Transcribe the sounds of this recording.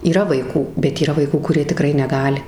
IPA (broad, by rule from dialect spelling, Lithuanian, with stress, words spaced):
iːˈrɐ ʋɐɪˈkuː bʲɛt iːˈrɐ ʋɐɪˈkuː kʊˈrʲiɛ tʲɪˈkrɐɪ nʲɛˈɡɑːlʲɪ